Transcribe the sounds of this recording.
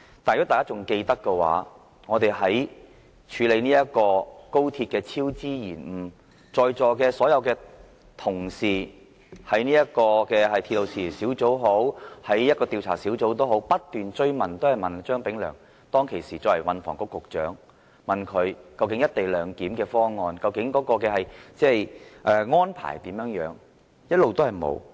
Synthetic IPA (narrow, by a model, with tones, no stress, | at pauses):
t̪aː˨jkɔː˨˥t̪aː˨˩kaː˥t͡sʊ˨ŋke˧jt̪ɐ˥kːɛ˧wa̰ː˨˥ | ŋɔː˨˧t̪e˨jɦɐ˨˥j | t͡ʃʰyː˨˧le˨˧jniː˥jɐ˥t̚kːɔː˧ko˥wt̪ʰiː˧t̚kɛː˧t͡sʰiː˥wt͡siː˥jiː˨˩nm̩˨˩ | t͡ʃɔː˨˧jt͡sɔː˨kɛː˧sɔː˨˥jɐ˨˧wkɛː˧ | t̪ʰʊ˨˩ŋsiː˨˩ | hɐ˨˥jniː˥jɐ˥t̚kɔː˧kɛː˧ɦɐ˨jt̪ʰiː˧tlo˨wsiː˨˩siː˨˥wt͡so˨˥wɦo˨˥whɐ˨˥jjɐ˥kɔː˧t̪iː˧wt͡sʰaː˨˩siː˨˥wt͡so˨˥wt̪̬o˥wɦo˨˥wpɐ˥t̚t̪yː˨nt͡ʃɵ˥ɥmɐ˨˩nt̪o˥whɐ˨jmɐ˨nt͡ʃœː˥ŋpɪ˨˥ŋlœ̰ː˨˩ŋ | t̪ɔː˥ŋkʰe˨˩jsiː˨˩t͡sɔː˧wɐ˨˩wɐ˨nfɔ̰ː˨˩ŋkɔ˧kːʊ˨k̚t͡ʃœ̰ː˨˥ŋ | mɐ˨nkʰɵ˨˧ɥkɐ˧wkɪ˨˥ŋjɐ˥t̪̚e˨jlœː˨˧ŋkiː˨˥mkɛː˧fɔː˥ŋɔː˧nkɐ˧wkɪ˨˥ŋkɔː˨˥kɔː˧kɛː˧hɐ˨jt͡sɛː˥˩jʔɛː˨ŋɔː˥npʰa̰ː˨˩jt̪iː˨˥mjœː˨˥ŋjœː˨˥ŋ | jɐ˥t̚lo˨wt̪o˥hɐ˨jmo̰˨˧w